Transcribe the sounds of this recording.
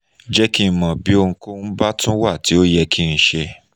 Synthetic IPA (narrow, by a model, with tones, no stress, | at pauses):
d͡ʒɛ˦kĩ˧˨mɔ̃˨bi˨˦o˧ŋ̩̃˧ko˦n̩˦ba˦tũ˦wa˦˨ti˨˦o˦jɛ˧kʰi˦n̩˦˧ʃe˧